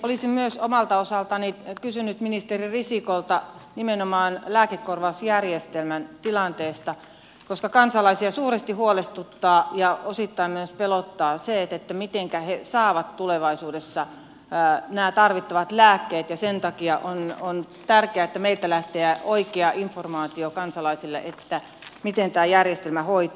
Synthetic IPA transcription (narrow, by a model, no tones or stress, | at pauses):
olisimmyøsomɑlt̪ɑosɑlt̪ɑnikysynyt̪minist̪eririsikolt̪ɑnimenomɑːnlæːkekːorʋɑusjærjest̪elmænt̪ilɑnt̪eːst̪ɑ | koskɑkɑnsɑlɑisiɑsuːɾest̪ihuolest̪ut̪ːɑːjɑosit̪ːɑimmyøspelot̪ːɑːset̪et̪ːæmit̪eŋkæhesɑːʋɑt̪tuleʋɑisuːdesːɑ | næːt̪ɑrʋit̪ːɑʋɑt̪læːkːeːt̪jɑsent̪ɑkiɑʔonon | t̪ærkeæet̪ːæmeilt̪ælæht̪eæoikeɑʔiɱformɑːt̪iokɑnsɑlɑisilːḛʔet̪ːæ | mit̪ent̪æːjærjest̪elmæhoit̪ɑː